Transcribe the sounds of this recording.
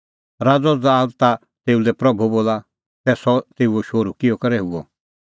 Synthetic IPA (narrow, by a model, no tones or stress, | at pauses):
ɾaːd͡zɔd͡zaːd̪t̪a | t̪eːulɛpɾɐbʱuboːla | sɛsɔt̪eːuɔʃoːɾukɪjɔkɐɾɛɦuɔ